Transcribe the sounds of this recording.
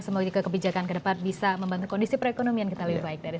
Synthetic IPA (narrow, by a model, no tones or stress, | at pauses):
səmuɡd͡ʒuɡakəbid͡ʒakankədəpat̪̚bisaməmbant̪ukɔndisipəɾekonomiankit̪aləbihbaɪk̚daɾi